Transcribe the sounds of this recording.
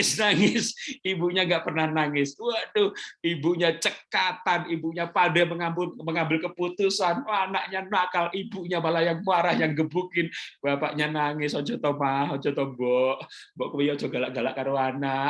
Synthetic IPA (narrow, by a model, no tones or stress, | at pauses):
snaŋɪsibuɲaŋɡaʔpərnahnaŋɪsuadʊhibuɲat͡ʃəkat̪anibuɲapadaməŋambʊməŋambɪlkəput̪usananaʔɲanakalibuɲamalajaŋmuaɾahjaŋɡəbukɪnbapaʔɲanaŋɪsɔd͡ʒɔt̪ɔmaɦɔd͡ʒɔt̪ɔbɔʔ | bɔʔkəijad͡ʒɔɡalaʔɡala̰ʔkaɾoanaʔ